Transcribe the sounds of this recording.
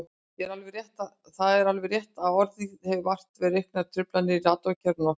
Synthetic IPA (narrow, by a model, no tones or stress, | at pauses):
ɛɾalvɛrjɛht̪a | θaðɛɾalvɛɾrjɛht̪aðɔɾðihɛvɪvar̥t̪vɛːɾɪehknaɾ̥t̪ʰɾʏplanːɪiraːt̪ɔcʰɛɾnɔ